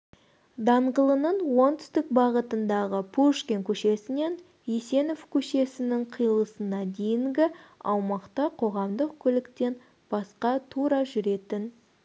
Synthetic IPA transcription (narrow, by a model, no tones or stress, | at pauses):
d̪ɑɴʁəlˠənəɴwo̞nt̪ʰʏ̥st̪ɪk̚bɑʁət̪ənd̪ɑʁəpʰuʃkʲeŋkʲʰɵʃe̞sɪne̞n | ise̞no̞fkʲʰɵʃe̞sɪnɪŋqʰijlˠəsənɑd̪e̞jɪŋɡʲɪɑwmɑqt̪ɑqʰo̞ʁɑmd̪əq̚kʲʰʏlɪkt̪e̞n | b̥ɑsqɑt̪ʰuɾɑʒʏɾe̞t̪ɪn